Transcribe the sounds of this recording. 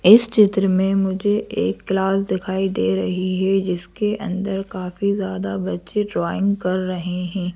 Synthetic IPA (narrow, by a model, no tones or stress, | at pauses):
ɪst͡ʃɪt̪ɾəmẽmʊd͡ʒʱeʔeːkːlaːsd̪ɪkʰaːid̪eːɾɐɦiɦɛd͡ʒɪskeʔɐ̰̃nd̪əɾkaːfizjaːd̪abɐtːʃeɖɾaːɪ̃ŋɡkɐɾːɐɦeɦɛ̃ː